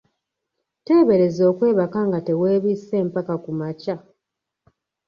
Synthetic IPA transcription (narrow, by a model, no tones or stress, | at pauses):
te̞ːβe̞ɾe̞zo̞ːkwe̞ːβakaŋɡate̞we̞ːβiːse̞ːmpakakumaca